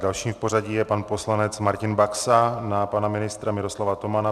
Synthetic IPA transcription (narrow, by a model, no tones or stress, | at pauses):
dalʃiːmfpo̞ɾaɟijɛpanpo̞slanɛt͡smaɾcɪnbaksanapanamɪnɪst̪ɾamɪɾo̞slavat̪o̞mana